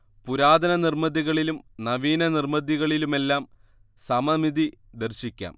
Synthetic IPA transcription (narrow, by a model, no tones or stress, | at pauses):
puɾaːd̪ɐnɐnirmɐðiɣɐɭilumnɐʋiːnɐnirmɐðiɣɐɭilume̞lːaːm | sɐmɐmiðid̪ɐrɕikʲːa̰ːm